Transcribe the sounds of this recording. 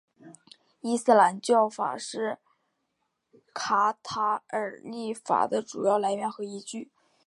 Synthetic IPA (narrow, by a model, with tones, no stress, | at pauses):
i˥sɹ̩˥˩la˧˥nt͡ɕjɑ˥˩ʊfa̰˨˩ʂɻ̩˥˩ | kʰa˧˥t̪ʰa˧˥ə˞˨˩li˥˩fa̰˨˩d̪ə˦ʈ͡ʂu˨˩jɑ˥˩ʊla˧˥ɪɥɛ˧˥nxɤ˧˥i˧˥t͡ɕy˥˩